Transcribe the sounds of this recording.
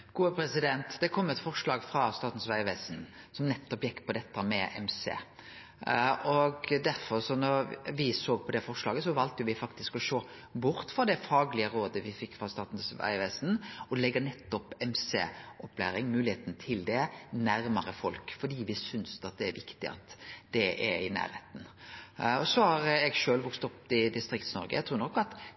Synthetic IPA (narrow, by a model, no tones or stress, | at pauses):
ɡ̥uːəpʰɾɛsɪd̪ɛnt̪d̪ɛkʰɔmːɛt̪fɔɾʂɭɑːɡfɾɑst̪ɑːt̪n̩sʋæɪʋæːsn | sɔmnɛt̪ːɔpjɛkːpʰɔd̪ɛt̪ʰːəmɛʔɛ̰msḛː | ʔɔɡd̪æɾfɔɾsɔnɔɾʋɪsoːɡ̚pʰɔd̪ɛfɔʁʂlɑːɡəsɔʋɑlt̪əjʊʋɪfɑkt̪ɪskɔʃoː | bʊɾt̪fɾɑd̪ɛfɑːɡlɪəɾoːd̪əʋɪfɪkːfɾɑst̪ɑːt̪n̩sʋæ̰ɪʋæːsnɔlɛɡːənɛt̪ːɔpɛmsḛʔɔpːlæ̰ːɾɪŋmʉːlɪheːt̪nət̪ʰɪld̪ɛnæɾməɾəfɔlkfɔɖiːʋɪsʏnsɑt̪̚d̪ɛæɾʋɪkt̪ɪɑ̰t̪d̪̥ɛʔɛɾɪnæ̰ːɾheːt̪n̩ | ɔsɔhɑɾɛɡʃøːlʋʊkst̪ɔpːɪd̪ɪst̪ɾɪkt̪snɔ̰ɾɡəjæt̪ʰɾuːɾnɔkːɑt̪